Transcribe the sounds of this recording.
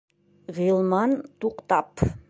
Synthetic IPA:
ʁilˠmɑnt̪uqt̪ɑp

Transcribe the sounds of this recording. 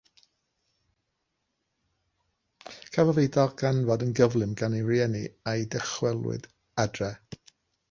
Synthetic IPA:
kʰavɔvejdɔɡanvɔdənɡəvlˠɨmɡaneriɛniajdɛχwɛlˠwɪ̰d | adrɛ

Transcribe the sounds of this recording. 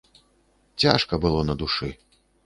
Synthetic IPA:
t͡sʲaʂkɐbɨlˠɔnɐd̪uʂɨ

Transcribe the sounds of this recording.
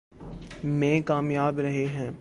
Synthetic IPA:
mɛ̃ːkaːmjaːbɾɐɦeɦɛ̃ː

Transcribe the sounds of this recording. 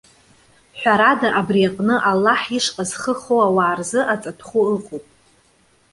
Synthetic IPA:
ħʷᶣaɾadaʔabrijaqʼnɨʔalːaħiʂqʼazχəχowawaːrzɨʔat͡sʼatʰχuɨqʼopʼ

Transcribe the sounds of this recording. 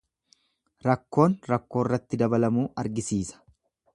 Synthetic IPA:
ɾɐkːo̞ːnɾɐkːo̞ːrːɐt̪ːɪd̪ɐbɐlɐmuːɐɾɡɪsiːsɐ̥

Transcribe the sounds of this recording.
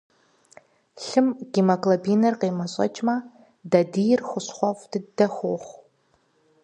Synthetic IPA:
ɬɨmɡ̥iːmɐkʼlɐbiːnɐrqeːmɐɕʼɐ̰t͡ʃʼmɐ | dɐdiːjɪrxʷʊɕχʷɔfd̥ɨdɐxʷoːχʷ

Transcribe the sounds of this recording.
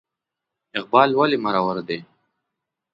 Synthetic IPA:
ɪq̚bɑːlwalimaɾawaɾd̪e

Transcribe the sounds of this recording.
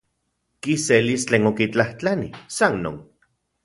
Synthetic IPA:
kiselist͡ɬeːnokit͡ɬaht͡ɬanisanːo̰ːn

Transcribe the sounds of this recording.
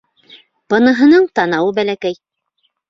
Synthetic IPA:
b̥ɤ̆nɤ̆ɦɤ̆nɤɴt̪ɑnɑwɤbælækæj

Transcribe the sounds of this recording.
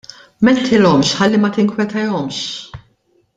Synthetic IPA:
mɛnt̪ʰɪlɔmʃħɐlːimɐt̪ɪŋkwɛt̪ɐjɔmʃ

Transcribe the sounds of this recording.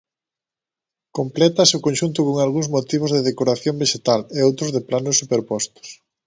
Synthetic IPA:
komplɛt̪ɐsʊkonʲʃunt̪̬ʊkoŋalɣuŋzmot̪iβ̞ʊzðeðekoɾaθjombeʃet̪aleowt̪ɾʊzðeplanʊsːupeɾpɔst̪ʊ̥s

